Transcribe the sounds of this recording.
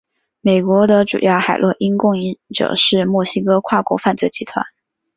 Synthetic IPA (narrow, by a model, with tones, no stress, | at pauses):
me˨˩ɪkwɔ˧˥d̪ə˧ʈ͡ʂṵ˨˩jɑ˥˩ʊxa˨˩ɪlwɔ˥˩ʔi˥nkʊ˥˧ŋi˥˧˥ʈ͡ʂɤ̰˨˩ʂɻ̩˥˧mwɔ˥˩ɕi˥kɤ˥kʰwa˥˩kwɔ̰˧˥fa˥˧nt͡swe˥˩ɪt͡ɕi˧˥t̪ʰwa̰˧˦n